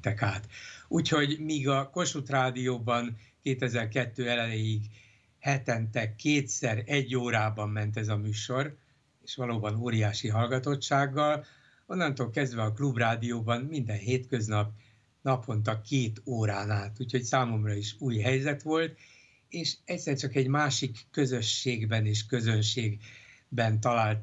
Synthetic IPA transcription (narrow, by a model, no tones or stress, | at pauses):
ɛkaːt̪uːcho̞ɟmiːɡɒko̞ʃut̪raːd̪ijoːbɒnkeːt̪ɛzɛrkɛt̪ːøːɛlɛlejiɡ | hɛt̪ɛnt̪ɛkʰːeːt̪sɛɾɛɟːoːɾaːbɒmːɛnt̪̬ɛzɒmyːʃo̞ɾ | eːʃʋɒloːbɒnoːɾijaːʃiɦɒlɡɒt̪o̞t͡ʃːaːɡːɒl | o̞nːɒnt̪oːlkɛzd̪ʋɛɒklubraːd̪ijoːbɒnmind̪ɛnɦeːt̪kø̞znɒp | nɒpʰo̞nt̪ɒkeːt̪oːɾaːnaːt̪uːcho̞csaːmo̞mrɒiʃuːjɦɛjzɛt̪ʋo̞lt̪ | eːʃɛcʲsɛrt͡ʃɒkɛɟmaːʃikːøzø̞ʃːeːɡbɛneːʃkø̞zø̞nʃeːɡbɛnt̪ɒlaːlt̪